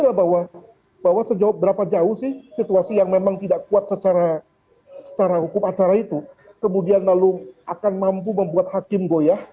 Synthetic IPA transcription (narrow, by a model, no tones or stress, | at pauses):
labawa | bawasəd͡ʒawap̚bəɾapad͡ʒaʊhsɪhsit̪uasijaŋmemaŋt̪idakuat̪̚sət͡ʃaɾa | sə̥t͡ʃaɾahukʊmat͡ʃaɾait̪u | kəmudianlalʊakanmamp̬uməmbuat̪̚hakɪmɡoja